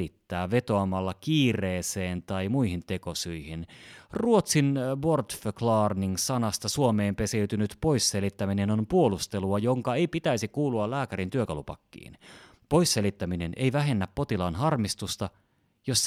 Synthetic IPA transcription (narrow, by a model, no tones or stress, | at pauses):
it̪ːæːʋe̞t̪o̞ɑmɑlːɑkiːreːseːnt̪ɑimuihint̪e̞ko̞syihinruot̪sinbo̞rt̪føklɑːrniŋsɑnɑst̪ɑsuome̞ːmpe̞seyt̪ynyt̪po̞jsːe̞lit̪ːæmine̞nompuolust̪e̞luɑjoŋkɑe̞jpit̪æisikuːluɑlæːkæɾint̪yøkɑlupɑ̰kːḭːn | po̞isːe̞lit̪ːæmine̞nʔe̞̰jʋæɦe̞nːæpːo̞t̪ilɑnɦɑrmist̪ust̪ɑ | jos